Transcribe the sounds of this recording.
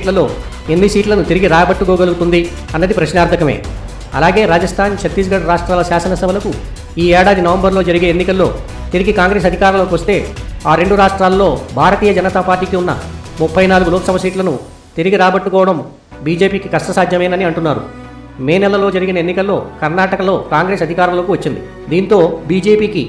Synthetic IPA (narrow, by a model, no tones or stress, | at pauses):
ʈlɐlo̞ː | e̞nːisiːʈlɐnut̪iɾiɡiɾaːɐbɐʈːukoːɡɐluɡut̪und̪i | ɐnːɐd̪ipɾɐʃnaːɾt̪ʰɐkɐme̞̰ː | ɐ̰laːɡe̞ːɾaːd͡ʒɐst̪ʰaːnt͡ʃɐt̪ːiːs̬ɡɐɽɐɾaːʂʈɾaːlɐsaːsɐnɐsɐbʱɐlɐku | iːɛːɽaːd̪inɐʋɐmbɐɾloːd͡ʒɐɾiɡe̞ːnːikɐlːo̞̰ː | t̪iɾiɡikaːŋɡɾe̞ːs̬ɐd̪ʱikaːɾɐmlokiʋɐst̪e̞ːaːɾe̞ɳɖuɾaːʂʈɾaːlːo̞ːbʱaːɾɐt̪iːjɐd͡ʒɐnɐt̪aːpaːɾʈiːkiunːɐ̰ | mupʰːɐjnaːluɡuloːksɐbʱɐsiːʈlɐnu | t̪iɾiɡiɾaːbɐʈːukɔːʋɐɽɐm | biːd͡ʒe̞ːpiːkikɐʂʈɐsaːd̪ʱjɐmɐjnɐniɐɳʈunːaːɾṵ | meːnɛlːɐlo̞ːd͡ʒɐɾiɡinɐenːikɐlːo̞ːkɐɾnaːʈɐkɐlo̞ːkaːŋɡɾe̞ːsɐd̪ʱikaːɾɐmloːkuʋɐt͡ʃːind̪ḭ | d̪iːnt̪o̞ːbiːd͡ʒe̞ːpiːki